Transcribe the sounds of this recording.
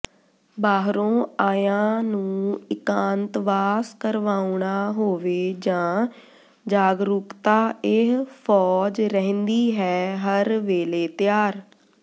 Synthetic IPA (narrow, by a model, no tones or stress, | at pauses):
baːɦɾõːaːjãːnũːɪkãːnt̪ʋaːskəɾʋaːuɳaːɦoːʋeːd͡ʒãː | d͡ʒaːɡɾʊkt̪aːɪɦpʰɔːd͡ʒɾəɦnd̪iːɦɛːɦəɾʋeːleːt̪ɪjaːɾ